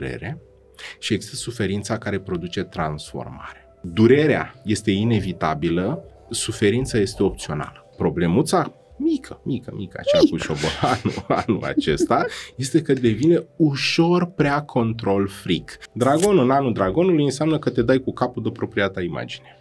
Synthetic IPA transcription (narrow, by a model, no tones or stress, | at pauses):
ɾḛɾe̞ | ʃie̞ɡzist̪əsufe̞ɾint̪sakaɾe̞pɾo̞d̪ut͡ʃe̞t̪ɾansfo̞̰rma̰ɾe | d̪uɾe̞ɾea̰je̞st̪e̞ine̞vit̪a̰bilə | sufe̞ɾint̪saje̞st̪e̞o̞p̚t̪sio̞na̰ləpɾo̞ble̞mut̪sa | mikʰəmikəmikəa̰t͡ʃeakuʃobo̰lanṵa̰nṵla̰t͡ʃe̞st̪aje̞st̪e̞kəd̪e̞vine̞uʃo̞rpɾeakʰo̞nt̪ɾo̞lfɾikd̪ɾaɡo̞nɨnanuld̪ɾaɡo̞nulujɨnseamnəkət̪e̞d̪ajkukapud̪əpɾo̞pɾiat̪aima̰d͡ʒine